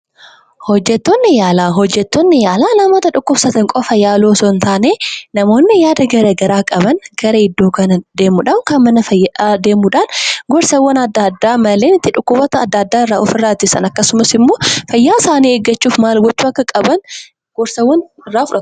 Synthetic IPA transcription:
hɔd͡ʒːɛt̪ːoːnːɪjaːlaːɦɔd͡ʒːɛt̪ːoːnːɪjaːlaːlɐmoːt̪ɐᶑʊkːʊbsɐt̪ɐŋkʼɔfɐjaːloːsɔnt̪aːneːnɐmo̞ːnːɪjaːd̪ɐɡɐɾɐɡɐɾaːkʼɐbɐnɡɐɾɐɪd̪ːoːkɐnɐd̪e̞ːmuᶑɐmkɐnmɐnɐfɐjːɐᶑaːd̪e̞ːmuᶑaːnɡɔɾsɐwːɐnɐd̪ːad̪ːaːmɐleːnɪt̪ːɪᶑʊkːʊbɔt̪ɐːd̪ːad̪ːaːɪrːaːʔɔfɪrːaːt̪ːɪsɐ̰nɐkːɐsʊmɐsɪmːo̞ːfɐjːaːsaːniːeɡɐt͡ʃːuːfmaːlɡɔt͡ʃːuːɐkːɐkʼɐbɐn | ɡ̥ɔɾsɐwːɐn | ɪrːaːfʊᶑɐt̪ʊ̥

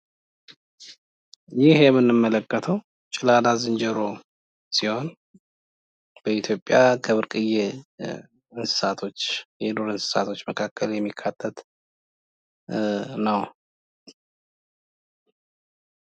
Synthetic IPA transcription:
jɪhjɛmːɨnːɨmːələkːət̪ʰəw | t͡ʃʼɪlalazɨnd͡ʒɛɾo | siho̞n | b̥əit̪ʰjo̞pʼjakʰəβɨɾkʼɨje | ɨnsɨ̥sat̪ʰo̞t͡ʃːjɛd̪oɾɨnsɨ̥sat̪ʰo̞t͡ʃːməkʰakːəljɛmːikʰːat̪ʰːət̪ | nəw

